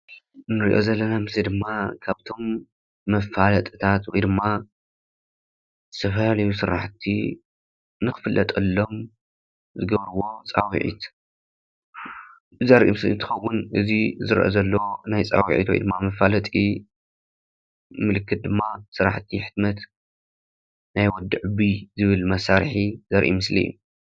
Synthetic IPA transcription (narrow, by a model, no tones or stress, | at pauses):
nɨɾḭʔo̞̰zɐlːɐnamɨslid̪ɨmːakʰaβt̪ʰo̞mː | ɐfalɐt̪ʼɨt̪ʰat̪wɔjd̪ɨmːa | ɨ̥t̪ʰɐfɐlalɐjusɨɾa̰ħt̪ʰːḭ | nɨxɨ̥fɨlːʔɐt̪ʼɐlːo̞m | zɨɡɐβɾɨwo̞t͡sʼawḭʕḭt̪ | zɐɾʔimɨslḭnt̪ʰɨ̥xɐwːʊnʔɨzizɨɾʔɐ̰zɐlːɐwonajt͡sʼa̰wḭʕḭt̪wɔ̰j̰d̪ɨmːamɐfalɐt̪ʼi | mɨlɨkːɨt̪̚d̪ɨmːasɨɾa̰ħt̪ʰːiħɨ̥t̪mɐt̪ | najwɔd̪ːɨʕɨbizɨβɨlmɐsaɾħizɐɾʔḭmɨslḭjːṵ